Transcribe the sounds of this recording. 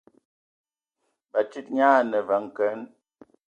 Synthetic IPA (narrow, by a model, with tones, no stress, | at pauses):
ba˨ti˦t̚ɲaː˦nə˨va˨˦ŋ˨kɛ˨˦n